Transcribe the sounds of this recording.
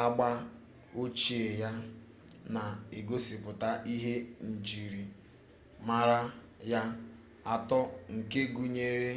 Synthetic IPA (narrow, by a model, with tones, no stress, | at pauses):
a˦ɡ͡ba˦ | o˦t͡ʃi˦˨e˨ja˦ | na˨e˨ɡo˦si˨pʊ˨ta˦ʔi˦ɦe˦n̩˨d͡ʒi˨ɾi˨ | ma˦ɾa˦ | ja˦ | a˨tɔ˦ŋ̩˨ke˦ɡu˨ɲe˦ɾe˦